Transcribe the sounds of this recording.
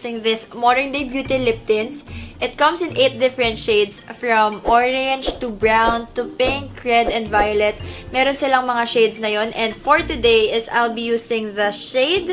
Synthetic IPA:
sɪ̃ŋðɪsmɔɹɪnd̪ebjuːt̪ɪlɪp̚t̪ɪnsʔɪt̪̚kɐ̃msɪ̃nʔejt̪̚d̪ɪfɛɹɛ̃nt̪ʃeɪd̪sfɹɔmʔoɹɛ̃nd͡ʒt̪ʊbɹawnt̪ʊpɪ̃ŋkɹɛd̪ɛ̃nd̪vajolɛt̪̚mɛːɾonsɪlaŋmɐŋaʃejd̪snɐjonʔɛ̃nd̪fɔɹt̪ʊd̪ejʔɪsa̰jlbijuːsɪ̃ŋðɐʃeɪd̪

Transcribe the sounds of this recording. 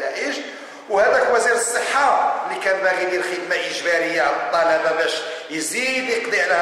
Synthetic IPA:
æʔəʒ | whæd̪ækwæziɾəsˤːəħːalikænbæɣililxəd̪maʔəʒbæɾəjːaʕlət̪ˤːɑlababæʃjzid̪jəqd̪ˤiʕlə

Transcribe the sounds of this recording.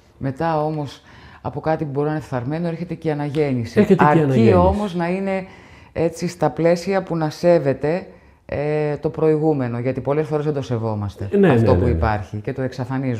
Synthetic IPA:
me̞t̪ɐo̞mo̞s | ɐpo̞kɐt̪ipubo̞ɾinɐnefθɐɾme̞no̞eɾçe̞t̪e̞ceɐnɐʝe̞nisiçetɐɾɐnio̞mo̞znɐine̞ | e̞t͡sist̪ɐple̞siɐpunɐse̞ve̞t̪e̞ | t̪o̞pɾo̞iɣume̞no̞ʝɐt̪ipo̞lesfo̞ɾeðe̞d̪o̞se̞vo̞mɐst̪e̞neɐft̪o̞puipɐɾçice̞t̪oe̞ksɐfɐniz

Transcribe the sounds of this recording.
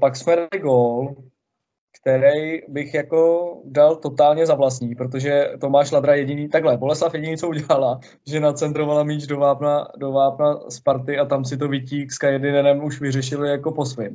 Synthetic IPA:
paksmɛdalɪɡoːl | kt̪ɛɾɛjbɪxjako̞dalt̪o̞t̪aːlɲɛzavlas̬t̪ɲiːpɾot̪̬o̞ʒɛt̪o̞maːʃlad̪ɾajɛɟɪniːt̪aɡlɛbo̞lɛslafjɛɟɪniːt͡souɟɛlala | ʒɛnat͡sɛnt̪ɾovalamiːt͡ʃdo̞vaːpnadovaːpnaspaɾt̪ɪat̪ams̬ɪt̪̬o̞vɪciːkskajɛdɪnɛnɛmuʃvɪrɛʃɪlɪjako̞po̞svɪm

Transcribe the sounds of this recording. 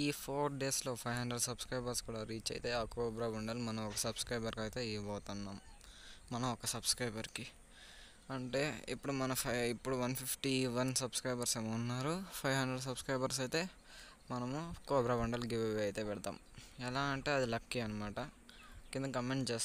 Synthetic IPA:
iːpʰoːɾɖe̞ːslo̞ːpʰɐjʋɦɐɳɖɾeɖsɐbskɾɐjbɐɾskuːɽaːɾiːt͡ʃɐ̰jt̪e̞ːaːkoːbɾaːbɐɳɖɐlmɐnɐmɔkɐsɐbskɾɐjbɐɾkɐjt̪eːibɔːt̪unːaːmː | ɐnɐmɔkɐsɐbskɾɐjbɐɾki | ɐɳʈe̞ːḭpːuɽumɐnɐpʰɐipːuɽuʋɐnpʰipʰʈiʋɐnsɐbskɾɐjbɐɾseːmɐunːaːɾupʰɐjʋɦɐɳɖɾeɖs̬ɐbskɾɐjbɐɾs̬ɐjt̪e̞ː | mɐnɐmukoːbɾaːbɐɳɖɐlɡiʋeʋɐjt̪eːpɛɽɐt̪a̰ːm | ɛlaːɐɳʈe̞ːɐd̪ilɐkːiɐnɐmaːʈɐ | kind̪ɐkkɐmeɳʈt͡ʃeːst̪

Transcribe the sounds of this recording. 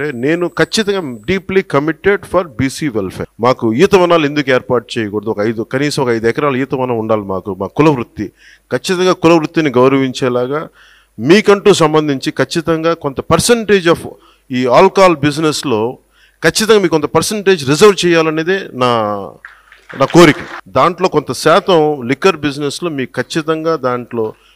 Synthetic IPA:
eːneːnukɐt͡ʃːit̪ɐŋɡaːɖiːplikɐmiʈːeɖpʰɐɾbiːsiːʋɛlpʰḛːmaːkuijt̪ɐʋɐnaːle̞nd̪ukeːɾpaːɾʈ̚t͡ʃeːjɐkɔːɽɐd̪uɔkɐjd̪ukɐniːsɐmɔkɐjd̪uɛkɐɾaːlɐiːt̪ɐʋɐnaːuɳɖaːlimaːkumaːkːulɐʋɾut̪ːi | kɐt͡ʃːit̪ɐŋɡaːkulɐʋɾut̪ːiniɡɐwɾɐʋiɲt͡ʃɛːlaːɡaː | miːkɐɳʈuːsɐmbɐnd̪ʱiɲt͡ʃikɐt͡ʃːit̪ɐŋɡaːko̞nt̪ɐpɐɾseɳʈe̞ːd͡ʒɐf | iːaːlkaːlbid͡ʒneslo̞ː | kɐt͡ʃːit̪ɐŋɡaːmikont̪ɐpɐɾseɳʈe̞ːd͡ʒɾizɐɾʋt͡ʃɛːjːaːlɐne̞ːd̪eːnaː | naːko̞ːɾikid̪aːɳʈlo̞ːkont̪ɐsɛːt̪ɐmlikːɐɾbid͡ʒneslo̞ːmiːkukʰɐt͡ʃːit̪ɐŋɡaːd̪aːɳʈlo̞ː

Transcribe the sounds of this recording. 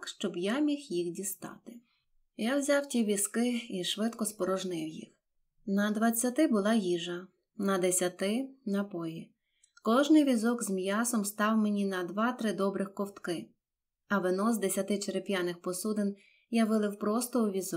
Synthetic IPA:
kʃt͡ʃɔbjamʲixjixdʲist̪ɑ̰t̪ɪ̥ | jawzʲawtʲiʋʲiskɪiʃʋɪt̪kɔspɔɾɔʒnɪwjḭx | nɐd̪ʋɐt͡sʲːɐt̪ɪbʊlˠɑjiʒɐ | nɐd̪esʲɐt̪ɪnɐpɔji | kɔʒnɪjʋʲizɔkzmjɑsɔmst̪ɑwmenʲinɐd̪ʋɑt̪ɾɪd̪ɔbɾɪxkɔwt̪kɪ | ɐʋenɔzd̪esʲɐt̪ɪt͡ʃeɾepʲjanɪxpɔsud̪ɪn | jaʋɪlˠɪwpɾɔst̪ɔʊʋʲizɔ

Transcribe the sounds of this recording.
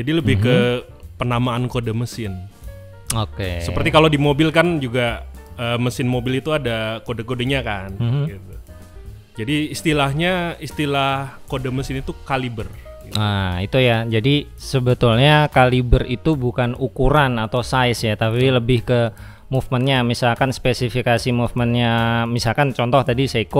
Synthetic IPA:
d͡ʒadiləbɪhkkə | pənamaːnkodaməsɪn | okḛsəpərt̪ikalodimobɪlkand͡ʒuɡaəːməsɪnmobɪlit̪uadakodakodəɲakanmhɡit̪u | d͡ʒadiːst̪ilahɲaist̪ilahhkodaməsɪnit̪ukalibər | ɡiait̪ujad͡ʒadi | səbət̪ulɲakalibərit̪ubukanukuɾanat̪awsaɪsjat̪apiləbɪhkə | mufmənɲamisalkanspesifikasimufmənɲamisalkant͡ʃɔnt̪ɔht̪adisaiko

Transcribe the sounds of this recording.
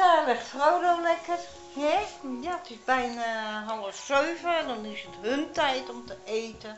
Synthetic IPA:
alɪχtfrowdowlɛkər | hɛjaːətɪsbɛjnaɦɑlˠəfsøɥvəɛndɔnɪsətɦɵntɛjtɔmtəʔejtə

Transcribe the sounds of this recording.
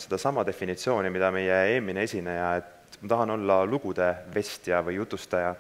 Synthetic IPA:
se̞d̪̥ɑsɑmɑd̪e̞finit̪sio̞ːnimid̪̥ɑme̞jee̞ːmineesʲinejɑe̞t̪ | mɑt̪ɑɦɑno̞lːɑluɡ̥ud̪̥e̞ve̞sʲt̪iɑvɯjːut̪ːˑust̪ɑjɑ

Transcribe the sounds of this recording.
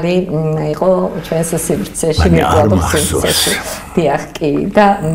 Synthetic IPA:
liiqʼɔt͡ʃʰwɛnssivɾt̪sʰɛʃimikʼabɔsivɾsʰɛʃid̪̥iaχkʼid̪a

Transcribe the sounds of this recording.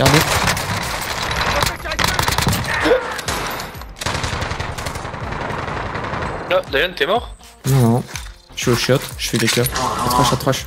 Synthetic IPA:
ɡaʁd̪e | nɔ̃d̪ajant̪yɛmɔʁ | nɔ̃nɔ̃ | ʃɥioʃɔt̪ʒ̥əfid̪ekœʁat̪χɔʃat̪χɔʃ

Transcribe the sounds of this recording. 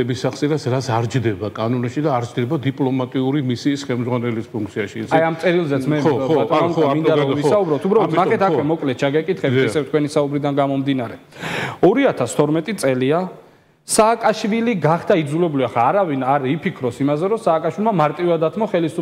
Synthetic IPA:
ɛbisaχsʼiɾasɾat̪sʰaɾd͡ʒd̪ɛbakʼanɔniʃid̪aːɾd͡ʒd̪ɛbad̪ipʼlˠɔmat̪ʼiuɾimisiːsχɛlmdzʁwanɛlispʰuŋk̚ʰt̪sʰiaʃisajamt̪sʼɛɾilˠzɛt̪sʰmɛtt̪ɔɔnamamind̪aavisaubɾɔt̪ʰubɾavlɔɔt̪naχɛt̪ʰakkwɛmɔkʼlɛt̪̚ʰt͡ʃʰaɡɛkʼit̪ʰχɛt̪ɛsɛft̪kwɛnisaubɾid̪anɡamɔmd̪inaɾɛɔɾiat̪ʰast̪ʰɔɾmɛt̪ʼit̪sʼɛlia | saːkʼaʃviliɡaχd̪aid̪zulɛbuliaχaːɾavinaɾipʰikʰɾɔsimazɛɾɔsaːkʼaʃwilˠmamaɾt̪ʼivad̪at̪ʰmɔχɛlisu

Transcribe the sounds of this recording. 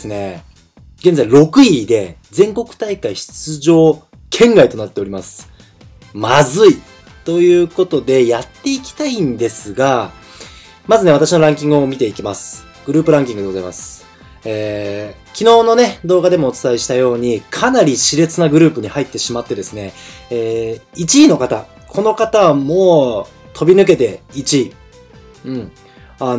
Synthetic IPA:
sɨne̞ | ɡẽ̞nd͡zaiɾo̞kɯ̟id̪e̞ | d͡zẽ̞ŋko̞kɯ̟̥t̪aikaiçi̥t͡sɨʑo̞ː | kʰẽ̞ŋɡait̪o̞nat̪ːe̞o̞ɾimasɨ̥ | mazɨi | t̪o̞jɯ̟ːko̞t̪o̞d̪e̞jat̪ːe̞ikʲi̥t̪aĩnd̪e̞sɨɡa | mazɨneat̪aɕino̞ɾãŋkʲĩŋɡɯo̞mʲit̪e̞ikʲimasɨ̥ | ɡ̥ɯ̟ɾɯ̟ːpɯ̟ɾãŋkʲĩŋɡɯ̟deozaimasɨ̥ | eː | kʲino̞ːno̞ne̞d̪o̞ːɡad̪e̞mo̞ːt͡sɨ̥t̪aiɕi̥t̪ajo̞ːɲ̟ikʰanaɾʲiɕiɾe̞t͡sɨnaɡɯ̟ɾɯ̟ːpɯ̟ɲ̟ihait̪ːe̞ɕimat̪ːe̞d̪e̞sɨne̞eːit͡ɕiːno̞kat̪a̰ | kʰo̞no̞kat̪amo̞ː | t̪ʰo̞bʲinɯ̟k̬e̞t̪e̞it͡ɕiː | ɯ̟̃ɴ | a

